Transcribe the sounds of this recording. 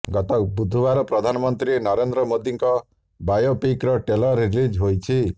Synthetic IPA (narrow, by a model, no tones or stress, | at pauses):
ɡɔt̪ɔbud̪ʱːubaɾɔpɾɔd̪ʱanɔmɔnt̪ɾinɔɾend̪ɾɔmod̪ʱiŋkɔ | bajopikɾɔʈelɔɾːilid͡ʒɦojt͡ʃʰi